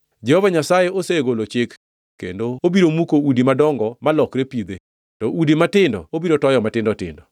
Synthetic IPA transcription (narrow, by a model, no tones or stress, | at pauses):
d͡ʒɛhovaɲasajeʔoseɡolot͡ʃɪk | kːḛndoobiɾomukoudimadɔŋɡɔmalɔkɾepid̪e | tɔʔudimatɪndɔ̰obiɾotɔjɔmatɪndɔtɪ̰ndɔ